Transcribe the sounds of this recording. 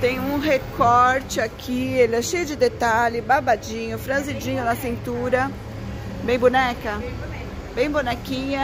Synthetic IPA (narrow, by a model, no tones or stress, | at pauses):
t̪ẽj̃ʊũɦekɔɾt͡ʃɪakʰielɛʃejʊd͡ʒɪd̪et̪alɪbabad͡ʒĩɲʊfɾazid͡ʒĩɲʊd̪ɐsĩnt̪uɾɐ | bẽj̃bunɛkɐ | bẽj̃bonɛkĩɲɐ